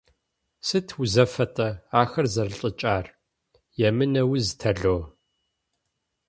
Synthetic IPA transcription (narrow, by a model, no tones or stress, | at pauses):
sɨtʰuzɐfɐtʼɐaːxɐrzɐrɬʼɨt͡ʃʼaːr | jɛmɨnɐwiztʰɐɮoː